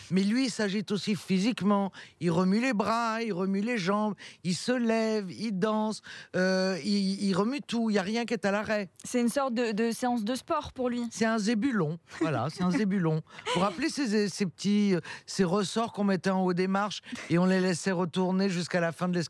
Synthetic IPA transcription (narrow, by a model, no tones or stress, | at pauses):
mɛlɥiːsaʒit̪osifizikmɑ̃ilʁəmylebʁailʁəmyleʒɑ̃bilsəlɛvild̪ɑ̃søiiʁəmyt̪uiljaʁjɛ̃k̬ʲɛt̪alaʁɛsɛt̪ynsɔʁt̪̚d̪əd̪əseɑ̃s̬d̪əspɔːʁpuʁlɥisɛt̪ɛ̃zebylɔ̃vwala̰sɛt̪ɛ̃zebylɔ̃puʁaplesezsepət̪iseʁəsɔʁkɔ̃mɛt̪ɛɑ̃od̪emaʁʃeɔ̃lelɛsɛʁət̪uʁneʒyskalafɛ̃d̪əlɛs